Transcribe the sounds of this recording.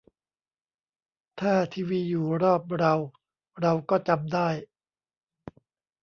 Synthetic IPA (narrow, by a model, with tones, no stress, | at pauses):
t̪ʰaː˥˩t̪ʰiː˧wiː˧juː˨˩ɾɔː˥˩p̚ɾa˧w | ɾa˧wkɔː˥˩t͡ɕa˧mdaː˥˩j